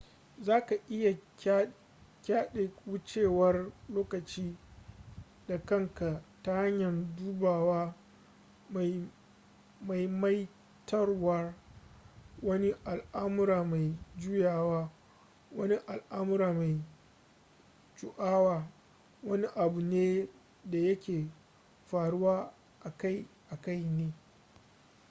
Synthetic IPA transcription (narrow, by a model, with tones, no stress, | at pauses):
zaː˦ka˨ʔɪ˦ja˨˦ | kʲaː˦ɗe˨wʊ˦t͡ʃeː˦˨wɐ˦rloː˦kɐ˨t͡ʃiː˦ | da˨kɐ˦˨ŋka˨ta˦jɐ˦ɲjɐ˨nduː˦baː˨waː˦ | m˨ | ma˨jma˦j | tɐ˦rwɐ˦r | wɐ˦ni˦ʔa˨lʔa˦mʊ˦ɾaː˨ma˨jd͡ʒʊ˦jaː˨waː˦ | wɐ˦ni˦ʔa˨lʔa˦mʊ˦ɾaː˨ma˨j | t͡ʃʊ˨ʔaː˦waː˦ | wɐ˦ni˦ʔa˨bʊ˨neː˦ | da˨jɐ˦kʲeː˨ | ɸaː˨ɽʊ˦waː˦ | ʔa˨ka˦˨jʔa˨ka˦˨jneː˦